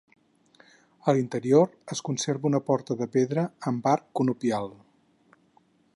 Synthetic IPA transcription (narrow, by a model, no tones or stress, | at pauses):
əlint̪əɾioɾəskunseɾβunəpɔɾt̪əðəpeðɾəːmbaɾkːunupialˠ